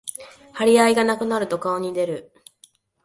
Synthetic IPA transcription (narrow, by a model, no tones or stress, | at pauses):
haɾʲiaiɡanakɯ̟naɾɯ̟t̪o̞kaoɲ̟id̪e̞ɾɯ̟